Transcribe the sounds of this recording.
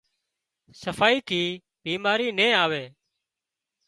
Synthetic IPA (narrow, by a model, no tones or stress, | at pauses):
səfaːiːt̪ʰiː | ɓiːmaːɾiːnẽːaːʋeː